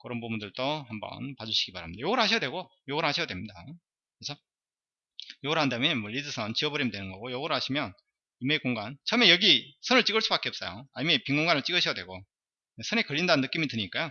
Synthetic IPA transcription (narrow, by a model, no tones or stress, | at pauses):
kɯɾʌnpobundɯɭt͈ʌhambʌ̰npad͡ʑuɕʰi̥ɡ̥ipaɾhamɲidajoɡʌɾɦaɕ̬ʰijadwe̞ɡo | joɡʌɾhaɕʰijadwe̞mɲida̰ | kesʰʌ | joɡʌɾɦandamjʌnnmwʌʎidɯsʰʌnt͡ɕiʌbʌɾimidwe̞nɯnɡʌɡojʌɡʌɾoɦaɕʰimjʌn | imekoŋɡant͡ɕʰʌmejʌɡisʰʌnɯɭt͡ɕ͈iɡɯɭs͈ubak͈eʌp̚s͈ʌjo̰amepiŋɡoŋɡanɯɭt͡ɕ͈iɡɯɕʰjadwe̞̰ɡo | nesʰʌnekɯʎːindanɯnːɯk͈imitɯɲik͈ajo